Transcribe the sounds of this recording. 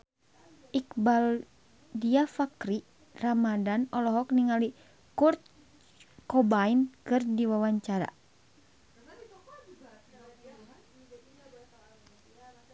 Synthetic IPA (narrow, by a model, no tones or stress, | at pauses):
ʔikbal | diafakɾi | ramadanɔlɔɦɔk̚niŋali | kurt̪̚ | kɔbainkɨrdiwawaɲt͡ʃaɾa̰